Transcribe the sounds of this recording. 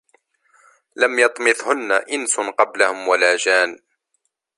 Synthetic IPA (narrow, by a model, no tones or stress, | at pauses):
lamjɑt̪ˤmɪθhʊnːaʔɪnsʊqɑblahʊmwalaːd͡ʒaːn